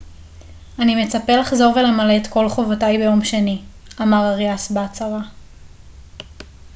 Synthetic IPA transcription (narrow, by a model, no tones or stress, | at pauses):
anime̞t͡sape̞laχzo̞ʁve̞lemaleːt̪ko̞lχo̞votajbe̞jo̞mʃe̞ni | amaʁaʁjasbat͡saʁa